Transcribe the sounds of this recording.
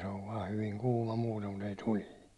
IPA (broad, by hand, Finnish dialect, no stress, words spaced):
se oʋ ʋɑː hyʋiŋ kuːmɑ muːtem mut ei tuliː